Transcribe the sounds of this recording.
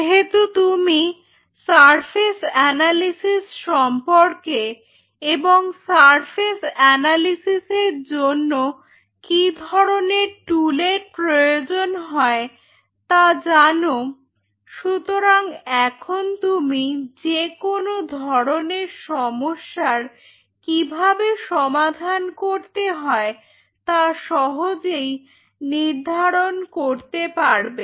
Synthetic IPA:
ɦet̪ut̪umi | saɾfʰesɛnalisisʃɔmpoɾke | eboŋsaɾfʰesɛnalisiseɾd͡ʑonːo | kid̪ʱɔɾoneɾʈuleɾpɾojod͡ʑonɦɔe | t̪ad͡ʑano | ʃut̪oɾaŋɛkʰont̪umid͡ʑekonod̪ʱɔɾoneɾʃɔmoʃːaɾ | kibʱabeʃɔmad̪ʱankoɾt̪eɦɔe | t̪aʃɔɦod͡ʑej | niɾd̪ʱaɾonkoɾt̪epaɾbe

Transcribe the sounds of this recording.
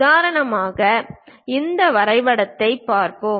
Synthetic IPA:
ðaːɾɐɳɐmaːɣɐɪnd̪ɐʋɐɾɐɪʋɐɽɐt̪ːɐɪpːaːɾpoː

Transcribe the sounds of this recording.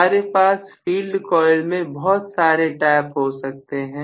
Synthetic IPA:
aːɾepaːsfiːlɖkɔːɪlmẽbɔɦt̪saːɾeʈaːpɦosɐk̚t̪eɦɛ̃ː

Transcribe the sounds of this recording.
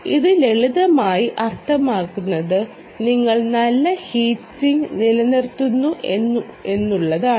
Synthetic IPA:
ḭðɨleɭiðɐmaːjiʔɐrt̪ʰɐmaːkːunːɐðɨ | niŋːɐɭnɐlːɐhiːtːiŋnilɐnirt̪ːunːuʔenːue̞nːuɭːɐðaː

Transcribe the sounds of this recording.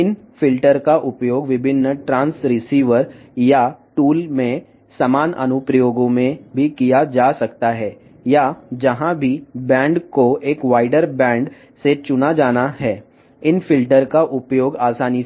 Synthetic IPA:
ɪnfɪlʈəɾkaʔʊpjoːɡʋɪbʱɪnːəʈɾãːnsɾɪsiːʋəɾjaʈuːlmẽ | sɐmaːnɐ̰nʊpɾəjoːɡõmẽbʱikijad͡ʒaːsɐkt̪aɦɛː | jad͡ʒɐɦãbʱibɛ̃ːɳɖkoeːkʋaːɪɖəɾbɛ̃ːɳɖ | set͡ʃʊnad͡ʒaːnaɦɛː | ɪnfɪlʈəɾkaʔʊpjoːɡaːsaːni

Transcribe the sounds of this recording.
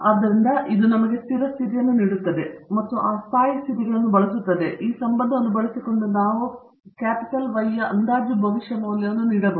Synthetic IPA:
ɐd̪ːɐɾind̪ɐʔid̪unɐmɐɡest̪iɾɐst̪ʰit̪ijɐnːuniːɽut̪ːɐd̪emɐt̪ːuʔaːst̪aːjɐst̪ʰit̪iɡɐɭɐnːubɐɭɐsut̪ːɐd̪eʔiːsɐmbɐnd̪ʱɐɐnːubɐɭɐsikːo̞ɳɖunaːʋu | kaːpiʈɐlʋɐjːɐʔɐnd̪aːd͡ʒubʱɐʋiʂjɐnuːlːɐʋɐnːuniːɽɐbɐ

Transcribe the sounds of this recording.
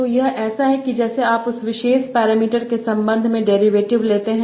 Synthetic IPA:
t̪ojɐɦʔɛːsaɦɛkid͡ʒɛːseaːpʊsʋɪʃeːʃpɛːɾaːmiːʈəɾkesɐ̃mbə̃nd̪ʱmẽɖɛːɾiʋeːʈɪʋleːt̪eɦɛ̃

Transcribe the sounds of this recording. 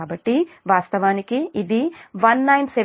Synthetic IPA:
aːbɐʈːi | ʋaːst̪ɐʋaːnikiːd̪iʋɐnːɐjnseʋ

